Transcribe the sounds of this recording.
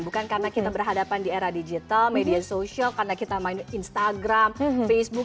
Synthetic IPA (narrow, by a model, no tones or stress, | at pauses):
bukankarənakit̪abərɦadapandieɾahdid͡ʒit̪almediasoʃialkarənakit̪amaɪninst̪aɡɾamfesbuk